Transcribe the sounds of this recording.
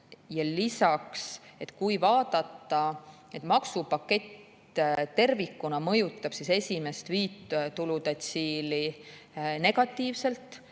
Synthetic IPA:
jɑlisɑkse̞t̪ːˑkujvɑːd̪̥ɑt̪ːɑ | e̞t̪ˑmɑksupɑkːe̞t̪ | t̪e̞rvikːˑunɑmɤ̞jut̪ːˑɑb̥sise̞sʲime̞st̪viːt̪t̪ulud̪̥ɑt̪ʲsʲiːli | ne̞ɡ̥ɑt̪ːˑiːvse̞lt̪ˑ

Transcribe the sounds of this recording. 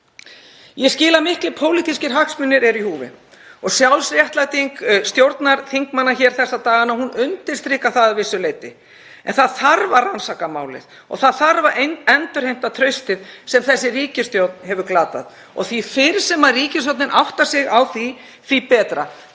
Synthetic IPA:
jɛscɪːlamɪhklɪpʰoːwlit̪ʰiscɪɾ̥ɦahksmʏnːɪɾɛɾihuːvɪ̰ | ɔɣsjawlsɾjɛht̪lat̪iŋkst̪jowɾt̪naɾ̥θiŋkmanːaçɛːɾ̥θɛsːat̪aːɣanahunʏnt̪ɪ̥st̪ɾɪːkaθaðvɪsːʏleːjt̪ɪ | ɛ̰nθaðθaɾvaɾrːansakama̰ːwlɪ̰ð | ɔ̰ɣθaðθaɾvaɾʔenɛnt̪ʏɾ̥hejm̥t̪at̪ʰɾœɥst̪ɪðsɛmθɛsːɪriːcɪst̪jowt̪nhɛvʏɾklaːt̪a̰ð | ɔ̰ɣθifɪɾ̥sɛmariːcɪs̬jowt̪nɪnʔawht̪asɪɣawθi | θipɛːt̪ɾa̰

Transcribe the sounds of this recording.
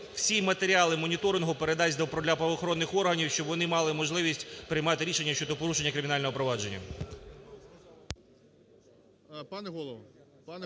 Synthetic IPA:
wsʲimɐt̪eɾʲiɑlˠɪmɔnʲit̪ɔɾɪnɦʊpeɾed̪ɑzʲd̪ɔpɾɔd̪lʲɐpɾɐʋɔxɔɾɔnːɪxɔrɦɐnʲiwʃt͡ʃɔbʋɔnɪmɑlˠɪmɔʒlˠɪʋʲisʲtʲpɾɪjmɑt̪ɪɾʲiʃe̞nʲːɐʃt͡ʃɔd̪ɔpɔɾuʃenʲːɐkɾɪmʲɪnɑlʲɔɦɔpɾɔʋɑd͡ʒe̞nʲːɐ̰ | pɑnɛɦɔlˠɔʋɐ

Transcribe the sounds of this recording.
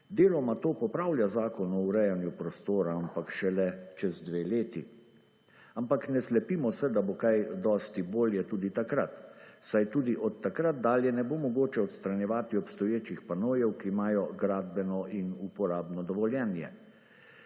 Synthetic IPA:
d̪eːlɔmat̪oːpɔpɾaːwlʲjazaːkɔnɔuɾɛjanjupɾɔst̪oːɾaampakʃɛlɛt͡ʃɛzd̪ʋeːleːt̪i | ampaknɛslɛpiːmɔsɛd̪abokajd̪ɔːst̪iboːljɛt̪uːd̪it̪akɾat̪sajt̪uːd̪iʔɔt̪ːakɾat̪̚d̪aːljɛnɛboːmɔɡoːt͡ʃɛɔt̪st̪ɾanjɛʋaːt̪iɔpst̪ɔjeːt͡ʃixpanoːjɛwkiːmaːjɔɡɾaːd̪bɛnɔʔinupɔɾaːbnɔd̪ɔʋɔljɛnjɛ̰

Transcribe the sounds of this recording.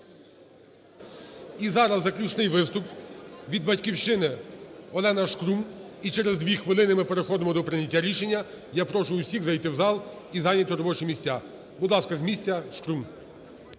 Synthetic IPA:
izɑɾɐzːɐklʲut͡ʃnɪjʋɪst̪ʊpʋʲid̪̚bɐtʲkʲiwʃɪnɪɔlˠɛnɐʃkɾum | it͡ʃɛɾezd̪ʲʋʲixʋɪlˠɪnɪmɪpe̞ɾexɔd̪ɪmɔd̪ɔpɾɪnʲɐtʲːaɾʲiʃe̞nʲːɐ | japɾɔʃʊʊwsʲiɣzɐjt̪ɪwzɑlˠ | izɑjnʲɐt̪ʲɔɾɔbɔt͡ʃɪmʲisʲt͡sʲa | bud̪lˠɑskɐzʲmʲisʲt͡sʲɐʃkɾum

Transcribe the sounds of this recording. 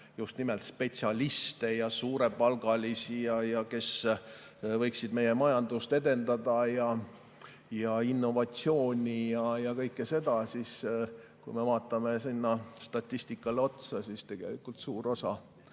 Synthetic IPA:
just̪nimelt̪spe̞t̪sʲiɑlist̪e̞jɑsuːɾe̞pɑlɡ̥ɑlisijɑjɑke̞s | vɤ̞jksid̪me̞je̞mɑjɑnd̪̥ust̪e̞d̪e̞nd̪̥ɑd̪̥ɑjɑ | jɑinːo̞vɑt̪sio̞ːnʲijɑjɑkɤjkːese̞d̪̥ɑsis | kujme̞vɑːt̪ːˑɑme̞sinːɑst̪ɑt̪ʲːisʲt̪ikːˑɑleo̞t̪sɑsist̪e̞ɡ̥e̞̰likːˑult̪suːɾo̞sɑ̰

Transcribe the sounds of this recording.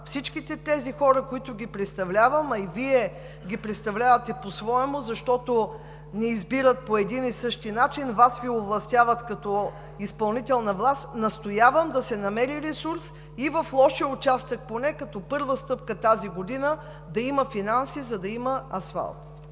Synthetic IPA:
fsit͡ʃkit̪ɛt̪ɛzixɔɾəkoit̪ʊɡʲipɾɛt̪st̪ɐvlʲavəmɐiviɛ | ɡʲipɾɛt̪st̪ɐvlʲavɐt̪ɛposvɔɛmozɐʃt̪ɔt̪o | nɛizbiɾət̪̚poɛd̪inisɤʃt̪inat͡ʃinvasvioblˠɐst̪ʲjavət̪kɐt̪ɔ | ispɐlˠnit̪ɛlˠnɐvlˠast̪nɐst̪ojavəmd̪ɐsɛnɐmɛɾiɾɛsuɾs | ivɐflˠɔʃɛʊt͡ʃast̪ək̚ponɛkɐt̪ɔpɤɾvəst̪ɤp̚kət̪aziɡod̪inə | d̪ɐimɐfinansizɐd̪ɐiməɐsfa̰lˠt̪

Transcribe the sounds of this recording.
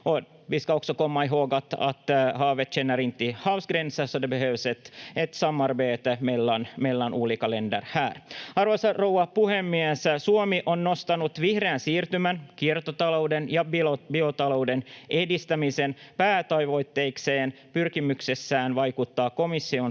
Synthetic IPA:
on | ʋiːskɑuksokomːɑjɦoːɡɑt̪ɑ̰t̪hɑːʋet̪t͡ʃenːæɾint̪ːihɑwsɡrensːɑsːɑdebeɦøʋset̪et̪sɑmːɑrbeːt̪melːɑnmelːɑnʔuːlikɑlendæ̰rhæːrɑrʋosɑrowɑpuhemːiæssuomiʔonnost̪ɑnut̪ʋihreːnsiːrt̪ymænkirt̪ot̪ɑlouwdenjɑbbiot̪ɑloudenʔedist̪æmisenpæːt̪ɑjʋoit̪ːeikseːn | pyrkimyksesːæːnʋɑjkut̪ːɑːko̞misːion

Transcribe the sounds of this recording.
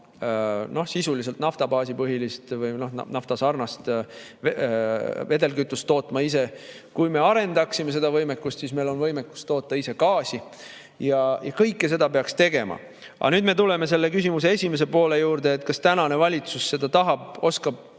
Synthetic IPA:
no̞hsisulis̬elt̪nɑft̪ɑbɑːsipɤɦilist̪vɯjno̞hn̰nɑft̪ɑsɑrnɑst̪ | ve̞d̪e̞lkyt̪ːˑust̪ːo̞ːt̪ːˑmɑise̞ | kujme̞ɑɾe̞nd̪ɑksime̞se̞d̪ɑvɤjmekːˑust̪siːsme̞jlo̞nvɤjmekːˑu̥st̪o̞ːt̪ːɑise̞kɑːsi | jɑjɑkɤjkːˑes̬e̞d̪ɑpe̞ɑkst̪e̞ɡ̥e̞mɑ̰ | ʔɑ̰nyːd̪me̞t̪ule̞me̞s̬e̞lːe̞kysimus̬e̞e̞sʲimes̬e̞po̞ːle̞juːɾd̪̥e̞ːt̪ːˑkɑst̪ænɑnevɑlʲit̪susːe̞d̪̥ɑt̪ɑɦɑb̥̚o̞skɑb̥̚

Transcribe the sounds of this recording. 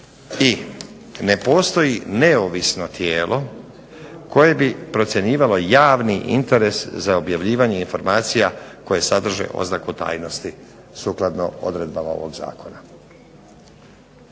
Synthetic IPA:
i | ne̞po̞ːst̪o̞jine̞oʋisno̞t̪jeːlʔo̞ | ko̞je̞bipɾo̞t̪sʲje̞ɲiːʋalo̞jaːʋniʔḭnt̪e̞ɾe̞szao̞bjaʋʎiːʋaɲe̞info̞ɾmaːt̪sijako̞je̞sad̪r̩ʒḛʔo̞̰znakut̪a̰ːjno̞st̪i | suːklˠad̪no̞̰o̞̰d̪ɾe̞d̪̚bamao̰ʋo̞ɡza̰ːko̞na

